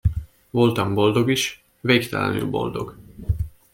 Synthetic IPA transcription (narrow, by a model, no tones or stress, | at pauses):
vo̞lt̪ɒmbo̞ld̪o̞ɡiʃ | veːkt̪ɛlɛ̰ny̰lbo̞̰ld̪o̞̰ɡ